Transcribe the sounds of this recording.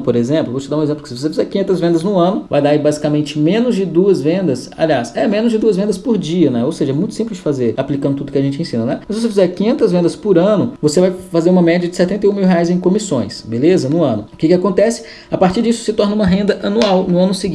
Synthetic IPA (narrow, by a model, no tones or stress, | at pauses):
poɾezẽplʊvot͡ʃɪd̪aũezẽplʊkɪsɪvosefizɛɾkĩɲẽnt̪ɐzvẽnd̪ɐznʊɐ̃nʊva̰jd̪aibazikamẽnt͡ʃɪmẽnʊzd͡ʒɪd̪uɐzvẽnd̪ɐs | a̰liasɛmẽnʊzd͡ʒɪd̪uɐzvẽnd̪ɐspʊɾd͡ʒiɐnɛowseʒɐɛmũj̃t̪ʊ̥sĩmplɪzd͡ʒɪfazeɾaplikɐ̃nd̪ʊt̪ud̪ʊkɪaʒẽnt͡ʃɪẽsĩnɐnɛmɐsɪvosefizɛɾkĩɲẽnt̪ɐzvẽnd̪ɐspʊɾɐ̃nʊvosevajfazeɾũmɐmɛd͡ʒiɐd͡ʒɪsɛt̪ẽnt̪ejũmiwɦeajzẽj̃kõmisõj̃sbelezɐnʊɐ̃nʊkɪkɪakõnt̪ɛsɪ̥ | apaɾt͡ʃiɾd͡ʒisʊ̥sɪt̪ɔɾnɐũmɐɦẽnd̪ɐʔɐnuawnʊɐ̃nʊsiɡĩ